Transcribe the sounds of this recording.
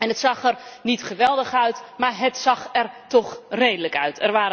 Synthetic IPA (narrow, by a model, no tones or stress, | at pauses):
ɛnətsɑxɛrnitχəʋɛlˠdəxœɥtmarɦətsɑxɛrtɔxreːdələkœɥtʰɛrʋaːɾə